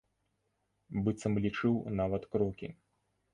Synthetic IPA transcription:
bɨt̪sɐmlʲit͡ʂɨwnavɐt̪kɾɔkʲḭ

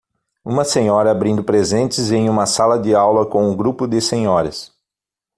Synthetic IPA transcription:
ũmɐsẽɲɔɾɐabɾĩnd̪ʊpɾezẽnt͡ʃ̪ɪzẽj̃ũmɐsalɐd̪ɪawlɐkõw̃ʊɡɾupʊd̪ɪsẽɲɔɾɐ̰s

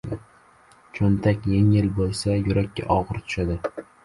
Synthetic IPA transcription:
t͡ʃʰont̪ʰakʲjeŋɪlbolˠsajʊɾakʲʰːa̰ʔɒʁɨɾt̪ʰʊ̥ʃad̪ɪ

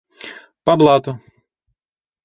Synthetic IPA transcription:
pɐblˠat̪ʊ

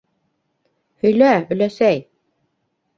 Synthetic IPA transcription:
hɵ̆jlæɵ̆læsæj

